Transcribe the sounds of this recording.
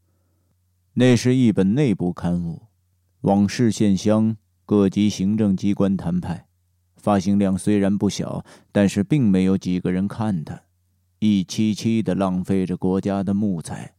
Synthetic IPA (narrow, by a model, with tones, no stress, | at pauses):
ne˥˩ɪʂɻ̩˥˧i˥˩pə˨˩nne˥˧ɪpu˥˩kʰa˥nfu˥˩ | wʔɑ˨˩ŋʂɻ̩˥˧ɕjɛ˥˩nɕjɑ˥ŋ | kɤ˥˩t͡ɕi˧˥ɕi˧˥ŋʈ͡ʂɤ˥˩ŋt͡ɕi˥kwa˥nt̪ʰa˧˥npʰa˥˩ɪ | fa˥ɕi˧˥ŋljɑ˥˩ŋswe˥ɪɻa˧˥npu˥˩ɕjɑ̰˨˩˦ʊt̪a˥˧nʂɻ̩˥˧pi˥˩ŋme˧˥ɪjo˧˥ʊt͡ɕi˨˩ɡə˦ɻə˧˥nkʰa˥˩nt̪ə˩ | i˥˩t͡ɕʰi˥t͡ɕʰi˥d̪ə˨lɑ˥˩ŋfe˥˩ɪʈ͡ʂə˩kwɔ˧˥t͡ɕja˥d̪ə˨mu˥˩t͡sʰa̰˧˩ɪ